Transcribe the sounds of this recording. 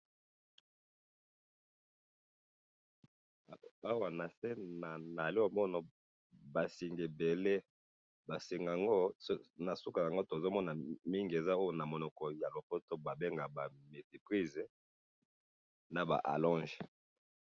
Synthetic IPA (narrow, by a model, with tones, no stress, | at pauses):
a˦wa˨na˨se˦na˨na˨li˦o˨mɔ˦na˨ | ba˨si˨ŋɡe˨be˨le˦ | ba˨si˨ŋɡa˨ŋɡo˦na˨su˦ka˨ja˨ŋɡo˦to˨zo˦mɔ˦na˨mi˦ŋɡe˨za˦o˦jo˨na˨mo˨nɔ˨kɔ˨ja˨lo˨fo˦to˦ba˨be˦ŋɡa˨ba˨me˨ti˨pʁi˦z | na˨ba̰˨ʔa̰˨lɔ̃˦ʒe˨